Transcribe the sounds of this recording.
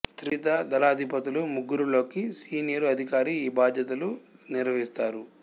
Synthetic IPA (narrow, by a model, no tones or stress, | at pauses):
t̪ɾit̪ɐd̪ɐlaːd̪ʱipɐt̪ilumuɡːuɾulo̞ːkisiːnijɐɾuɐd̪ʱikaːɾiːbaːd̪ʱjɐt̪ɐluniɾʋɐɦist̪aːɾu